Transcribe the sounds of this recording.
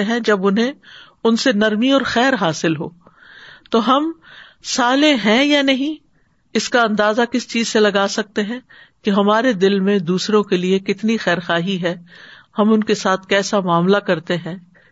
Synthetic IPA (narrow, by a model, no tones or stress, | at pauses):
ɦɛ̃d͡ʒɐbʊnɦẽ | ʊnsenɐɾmiɔːɾxɛːɾɦaːsɪlɦo̰ː | t̪oɦɐm | saːlẽɦɛ̃janɐɦĩ | ɪskaɐ̃nd̪aːzakɪst͡ʃiːzselɐɡaːsɐk̚t̪eɦɛ̃ | keɦɐmaːɾed̪ɪlmẽd̪uːsɾõkeliekɪt̪nixɛːɾxaːɦiɦɛːhɐmʊnkesaːt̪ʰkɛːsamaːmlakɐɾt̪eɦɛ̃ː